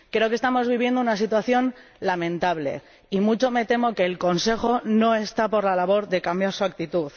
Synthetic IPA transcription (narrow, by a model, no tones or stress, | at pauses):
kɾe̞o̞kest̪amo̞zβiβ̞je̞nd̪ounasit̪waθjo̞n | lamẽ̞nt̪aβle̞̰ | imut͡ʃo̞me̞t̪e̞mo̞ke̞ːlko̞nse̞xo̞no̞e̞st̪apo̞ɾlalaβ̞o̞ɾðe̞kambjaɾsuak̚t̪it̪uθ